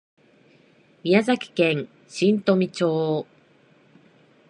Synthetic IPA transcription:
mʲijazakʲi̥kẽ̞ŋ | ɕĩnt̪o̞mʲit͡ɕoː

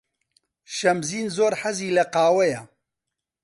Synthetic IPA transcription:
ʃɐmziːnzoːɾħɐziːlɐqɑːwɛjɐ

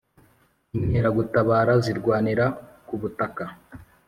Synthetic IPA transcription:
iɲheɾaɡutaβaːɾaziɾɡwaːniɾakuβutaka

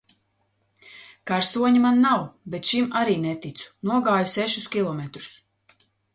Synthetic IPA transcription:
kaɾsuɔɲimanːawbet̪ʃimaɾiːnɛt̪it̪su̥nuɔɡaːjusɛʃuskʲilˠɔmet̪ɾu̥s

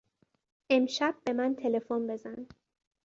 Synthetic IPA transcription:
ʔe̞mʃæb̥ːe̞mænt̪ʰe̞le̞fonbe̞zæn

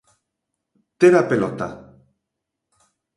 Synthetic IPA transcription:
t̪eɾapelot̪a̰

